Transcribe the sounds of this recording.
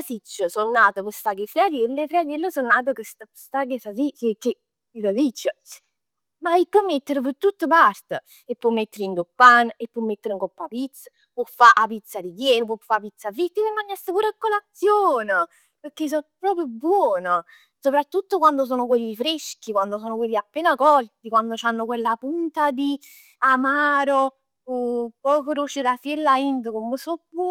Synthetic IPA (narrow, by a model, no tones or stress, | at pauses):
asit͡ʃːəsonːaːt̪əpost̪aɡefɾead̪elːefɾead̪elːəsonnːaːt̪̬əkəst̪apst̪aɡesasikekːe | ilad̪it͡ʃːə | maipːɔmːet̪ːəɾp̬ət̪ːut̪ːəpart̪ə | epːɔmːet̪ːeɾind̪opːanepːɔmːet̪ːəɾəŋkɔpːapit̪sːə̥ | pɔfːaʔapit̪sːad̪ikjɛːnəpɔfapit̪sːavit̪ːəpəmːaɲːast̪əpuːɾakːolat̪sːjoːnə | peɾkːes̬ɔpːɾɔːpɾjʊbwɔːno | sopɾat̪ːut̪ːokwand̪os̬oːnokwelːiifɾeʃk̟ikwand̪osoːnokwelːiapːeːnakɔlt̪ikwand̪ot͡ʃanːokwelːapunt̪ad̪i | amaːɾo | pːɔːkoɾut͡ʃeɾafjelːaint̪əkomːəsopːu